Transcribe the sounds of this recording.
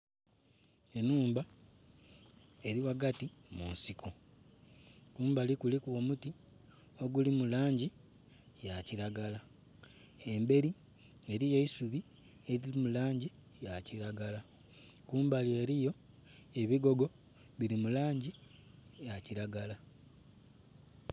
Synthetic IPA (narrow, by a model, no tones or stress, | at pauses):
e̞nuːmba | e̞ɾiwaɡatimunsikʰo | kuːmbalikulikuo̞muti | o̞ɡulimulaːɲɟi | jaciɾaɡala | e̞mbe̞ɾi | e̞ɾije̞isuβi | e̞ɾilimulaːɲɟi | jaciɾaɡala | kuːmbalje̞ːɾijo̞ | e̞βiɡo̞ɡo̞ | βiɾimulaːɲɟijaciɾaɡala